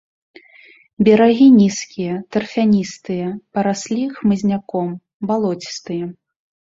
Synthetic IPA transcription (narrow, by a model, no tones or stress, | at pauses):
bʲɛɾaɣʲinʲiskʲijɐt̪ɐrfʲanʲist̪ɨjɐpɐɾasʲlʲixmɨzʲnʲakɔm | balˠɔt͡sʲi̥st̪ɨjɐ